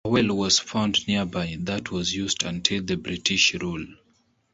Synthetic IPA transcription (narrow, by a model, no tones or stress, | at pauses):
wɛlwɔz̥fãʊ̃ndniəbaɪðətʰwɔzjuzdɨ̃ntʰilˠðɨbɹitʰiʃɹul